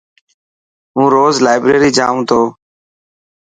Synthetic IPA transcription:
ɦũːɾoːzlaːɪbɾeːɾiːd͡ʒa̰ːũːt̪ʰoː

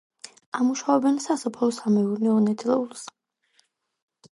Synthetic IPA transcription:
amuʃaɔbɛnsasɔpʰɔlɔsamɛuɾnɛɔnɛt̪ʰʼɾɛulˠs

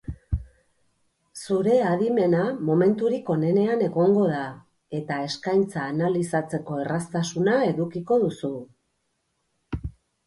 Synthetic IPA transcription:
suɾe̞aðime̞namo̞me̞nt̪uɾiko̞ne̞ne̞ane̞ɣo̞ŋɡo̞ða | e̞t̪ae̞skajnt͡saːnalisat͡se̞ko̞e̞rast̪asunae̞ðukiko̞ðusu

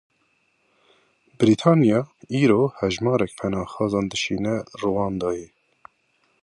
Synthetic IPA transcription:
bɾit̪ʰɑːnijɑiːɾoːhɛʒmɑːɾɛkfɛnɑːxɑːzɑːnd̪ɨʃiːnɛruwɑːnd̪ɑːjɛ

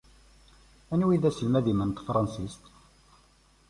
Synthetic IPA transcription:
ænwiðæsəlmæðimənt̪fɾˤɑnsist̪

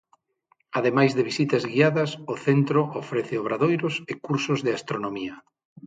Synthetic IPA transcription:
aðemajzðeβisit̪ɐzɣiaðɐsʊθent̪ɾoʔofɾeθeoβɾaðojɾʊsɪkuɾsʊzðɪast̪ɾonomiɐ

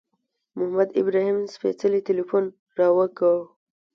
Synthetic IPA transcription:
mʊhamad̪ɪ̰bɾɑhimspḛt͡səlit̪ɪlifun | ɾɑwəkəw

